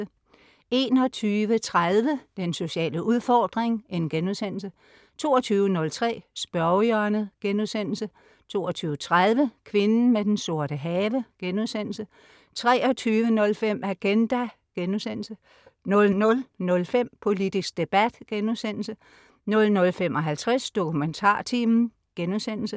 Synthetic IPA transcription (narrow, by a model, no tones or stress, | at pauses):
ə | e̝ːnɒ̽t͡sʰyːʋət͡sʰʁaðˠʋəd̥enso̝ɕɛ̰ːləʔuð̞ˠfɒːd̥ʁeŋe̝nɡ̥enuðˠsen̰l̩sə | t͡sʰo̝̰ːɒt͡sʰyːʋənɔ̽lt͡sʰʁɛ̰ːsb̥ɶɐjɐnəɡ̥enuðˠsen̰l̩sə | t͡sʰo̝̰ːɒt͡sʰyːʋət͡sʰʁað̞ˠʋəkʰʋe̝nn̩med̥enso̝ɐ̰ɾəɦɛːʋəɡ̥enuðˠsen̰l̩sə | t͡sʰʁɛːɒ̽t͡sʰyːʋənɔ̽lfem̰æɡ̥end̥æ | ɡ̥enuðˠsen̰l̩sə | nɔ̽lnɔ̽lnɔ̽lfem̰pʰo̝lid̥isɡ̥̚d̥e̝b̥æd̥ɡ̥enuðˠsen̰l̩sə | nɔ̽lnɔ̽lfemʔɒ̽ɦælt͡sʰʁasd̥o̝kʰument͡sʰɑ̰̈ːt͡sʰiːmn̩ | ɡ̥enuðˠsen̰l̩sə